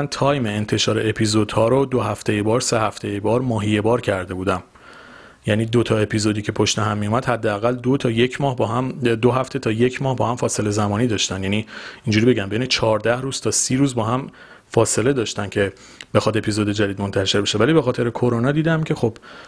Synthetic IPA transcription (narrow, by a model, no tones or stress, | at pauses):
ænt̪ʰɒːjmeent̪ʰe̞ʃɒːɾe̞epʰizod̪hɒːɾod̪oɦæft̪e̞jebɒːɾse̞hæft̪ejebɒːɾmɒːɦijebɒːɾcʰæɾd̪e̞buːd̪æm | jæniːd̪ot̪ʰɒːe̞pʰizo̞d̪iːcʰe̞pʰoʃt̪eɦæmːijumæd̪̥hæd̪ːeæɣæld̪ot̪ʰɒːje̞cʰmɒːhbɒɦæmd̪oɦæft̪ʰe̞t̪ʰɒːje̞cʰmɒːhbɒːhæmfɒːse̞le̞zæmɒːniːd̪ɒːʃt̪ænjæːniːind͡ʒuːɾibe̞ɟæmbe̞jnet͡ʃʰɒːɾd̪æhɾuːz̥t̪ʰɒːsiːɾuːzbɒːɦæm | fɒːse̞le̞d̪ɒːʃt̪æncʰe̞ | b̥e̞xɒːd̪e̞pʰizo̞d̪e̞d͡ʒæd̪iːd̪mo̞nt̪ʰæʃe̞ɾbeʃe̞væliːbe̞xɒːt̪ʰe̞ɾekʰoɾonɒːd̪iːd̪æmcʰe̞xo̞b̥